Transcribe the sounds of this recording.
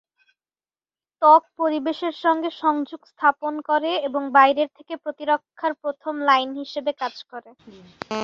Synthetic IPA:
t̪ɔk̚poɾibeʃeɾʃɔŋɡeʃɔŋd͡ʑuɡst̪ʰaponkoɾeeboŋbajɾeɾt̪ʰe̥kepɾot̪iɾokʰːaɾpɾot̪ʰomlajnɦiʃebekad͡ʑkoɾe

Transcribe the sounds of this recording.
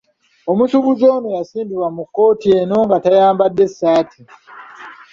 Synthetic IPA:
o̞musuβuzo̞ːnojasiːndiɾwamukːo̞ːtieno̞ːŋɡatajaːmbadːe̞sːaːtʰi

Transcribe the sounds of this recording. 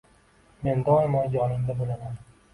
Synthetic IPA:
mend̪ɒlmɒnd͡ʒɒnɪmd̪abolaman

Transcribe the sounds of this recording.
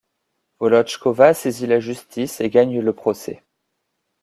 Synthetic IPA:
vɔlɔt͡ʃkɔvasezilaʒyst̪ʰiseɡaɲləpχɔsɛ̰

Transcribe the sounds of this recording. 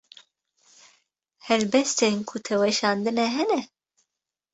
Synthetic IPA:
hɛɾbɛst̪enkʰut̪ʰɛwɛʃɑːnd̪ɨnɛɦɛnɛ

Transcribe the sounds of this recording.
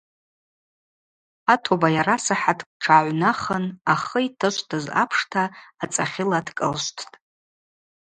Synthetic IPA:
atʰobajaɾasaħatʰkʷʼʈ͡ʂʰaʕʷnaχənaχəitʰɨʃʷtʰɨza̰pʰʂtʰaːt͡sʼaχʲɪladʰkʼə̰lʃʷtʰtʼ

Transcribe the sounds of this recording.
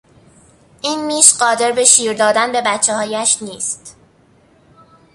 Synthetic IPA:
ʔiːnmiːʃɢɒːd̪e̞ɾbe̞ʃiːɾd̪ɒːd̪ænbe̞bæt̪t͡ʃʰːehɒːjæʃniːst̪

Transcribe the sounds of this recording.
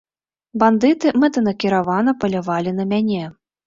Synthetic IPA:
band̪ɨt̪ɨmɛt̪ɐnɐkʲiɾavanɐpɐlʲavalʲinɐmʲanʲɛ

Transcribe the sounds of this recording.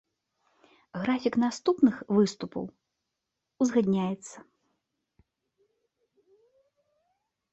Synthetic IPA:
ɣɾafʲiknast̪upnɨxvɨst̪upɐ̰w | uzɣad̪ʲnʲajɛt̪sːɐ

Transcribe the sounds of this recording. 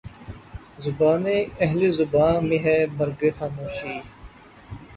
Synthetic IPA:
zʊbaːneɐɦlezʊbãːmiɦɛmɐɾɡexaːmoːʃiː

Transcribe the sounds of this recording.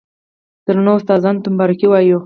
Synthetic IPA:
d̪̥əɾanoʊst̪ɑzɑnt̪əmbɑɾɪkiwɑju

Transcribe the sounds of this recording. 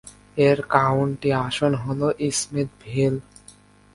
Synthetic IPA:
eɾkawɳʈiaʃonɦoloʔismit̪̚bʱil

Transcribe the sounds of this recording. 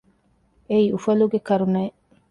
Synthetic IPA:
eiufɐluɡekɐɾunɐː

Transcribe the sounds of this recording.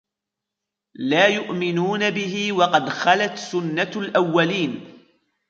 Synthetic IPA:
laːjʊʔmɪnuːnabɪhɪwɑqɑd̪xalat̪sʊnːalʔawːaliːn

